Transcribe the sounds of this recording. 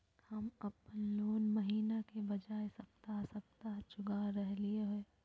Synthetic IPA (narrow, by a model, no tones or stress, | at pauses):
hɐmɐpnloːnmɐɦiːnakebɐd͡ʒaːesɐpt̪asɐpt̪at͡ʃʊɡaɾɛɦlieɦɛː